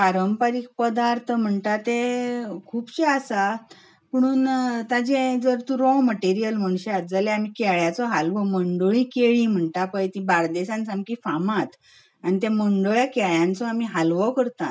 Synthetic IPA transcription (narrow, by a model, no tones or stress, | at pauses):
paɾəmpaɾik̚pəd̪aɾt̪ʰəm̤əɳtat̪ekʰuːpɕeasa | pəɽ̃uːnt̪ad͡ʑẽd͡zəɾt̪ũɾɔməʈeɾijəlməɳ̃ɕeat̪d͡zaleam̤ikɛɭjat͡sɔɦalʋɔməɳɖəɭĩːkeɭĩm̤əɳʈ̪apəjt̪ibaɾd̪esãnt͡samkifamat̪ | anit̪ẽməɳɖoɭjakɛɭjãnt͡sɔamiɦalʋɔkəɾt̪a̰